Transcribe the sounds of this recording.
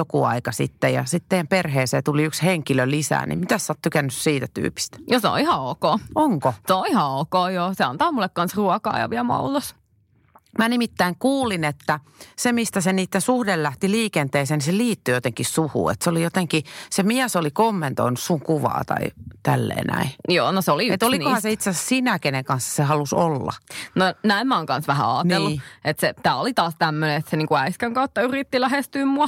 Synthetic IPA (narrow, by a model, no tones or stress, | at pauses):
okuɑ̰ikɑsḭt̪ːejɑ̰sit̪t̪ejæmperheːseːt̪uliyksheŋkilølisæ̰ːnḭmmit̪æssɑːt̪t̪ykænːyssiːt̪æt̪y̰ːpi̥st̪æ̥joseo̰ihɑukoːoŋkosolihɑukoːjoːseɑnt̪ɑːmulːekkɑnsruɔkɑ̰ːjɑ̰ʋiælmɑ̰ult̪os | mænimit̪ːæiŋkuːlinet̪ːæ | semist̪æseniːt̪ːensuhdellæht̪iliːkent̪eːseːniseliːt̪ːyjot̪eŋkissuhṵːḛt̪seolijot̪eŋkisemiæsolikomːent̪o̰inussuŋkuʋɑ̰ːt̪ɑ̰ḭt̪ælːḛːnæ̰ijoːnoseoliet̪olikohɑseit̪sesssinækeneŋkɑnsːɑ̥sehɑlusolːɑ̰nonæimmæoŋkɑnsʋæhæ̰ɑːtnelːuet̪set̪æːolit̪ɑːst̪æmːøneet̪seniːŋkuæiskæŋkɑut̪ːɑyrit̪ːilæhest̪yːmmuɑ